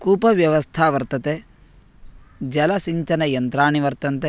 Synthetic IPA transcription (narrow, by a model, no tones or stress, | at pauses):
kuːpɐʋjɐʋɐst̪ʰaːʋɐɾt̪ɐt̪e | d͡ʒɐlɐsiɲt͡ʃɐnɐjɐnt̪ɾaːɳiʋɐɾt̪ɐnt̪e